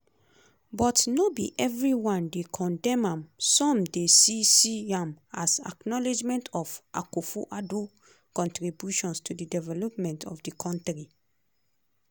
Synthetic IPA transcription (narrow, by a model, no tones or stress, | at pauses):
bɔtnobiʔɛvɹiwãndekʰɔ̃ndɛ̃mãmsɔ̃mdesisiãmasa̰knɔled͡ʒmɛ̃ntʰɔfʔa̰kofuʔado | kɔ̃ntɹibjuʃɔ̃nstʰudidɛvɛlɔpmɛ̃ntʰɔ̰fdikʰɔ̃ntɹi